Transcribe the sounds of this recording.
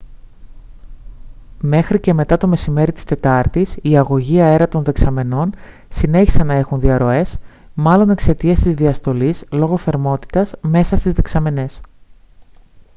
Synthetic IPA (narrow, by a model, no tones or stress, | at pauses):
me̞xɾice̞me̞t̪ɐt̪o̞me̞sime̞ɾit̪i̥st̪e̞t̪ɐɾt̪isiɐɣo̞ʝiɐe̞ɾɐt̪o̞nðe̞ksɐme̞no̞n | sine̞çi̥sɐnːɐe̞xunðiɐɾo̞e̞smɐlo̞ne̞kse̞t̪iest̪izðiɐst̪o̞lislo̞ɣo̞θe̞ɾmo̞t̪i̥t̪ɐsme̞sɐst̪izðe̞ksɐme̞ne̞s